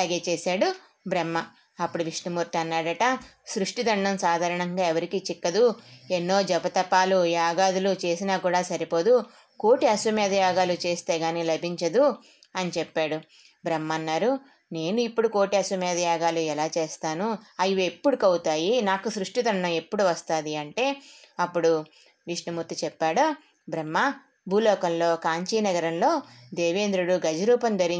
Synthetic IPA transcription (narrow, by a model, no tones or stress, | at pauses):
laːɡe̞ːt͡ʃeːsaːɽu | bɾemːɐ | ɐpːuɽuʋiʂnumuɾt̪iɐnːaːɽɐʈɐsɾuʂʈid̪ɐɳɖɐmsaːd̪ʱaːɾɐɳɐŋɡaːɛʋɐɾikiːt͡ʃikːɐd̪uenːo̞ːd͡ʒɛbɐt̪ɐpːaːlujaːɡaːd̪ulut͡ʃe̞ːsinaːkuːɽaːsɐɾipo̞ːd̪u | ko̞ːʈiɐsʋɐmɛːd̪ɐjaːɡaːlut͡ʃe̞ːst̪e̞ːɡaːniːlɐbʱiɲt͡ʃɐd̪u | ɐnit͡ʃɛpːaːɽu | bɾemːɐnːaːɾu | ne̞ːnuipːuɽuko̞ːʈiɐsɐmɛːd̪ɐjaːɡaːluɛlaːt͡ʃeːst̪aːnuɐjue̞pːuɽukɐwut̪aːjinaːkusɾuʂʈit̪ɐnːɐepːuɽuʋɐst̪aːd̪iɐɳʈe̞ːɐpːuɽu | ʋiʂnɐmut̪ːit͡ʃɛpːaːɽu | bɾɐmːɐ | bʱuːlɔːkɐmlo̞ːkaːɲt͡ʃiːnɐɡɐɾɐmlo̞ːd̪eːʋeːnd̪ɾuɽuɡɐd͡ʒɐɾuːpɐnd̪ɐɾi